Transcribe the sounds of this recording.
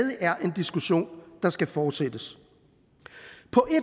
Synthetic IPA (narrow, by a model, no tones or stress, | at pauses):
ðˠəʔæɐʔe̝nd̥isɡ̥uɕo̝̰ːnd̥ɑ̈sɡ̥æfɒːd̥sed̥əs | pʰɒ̽ʔe̝̥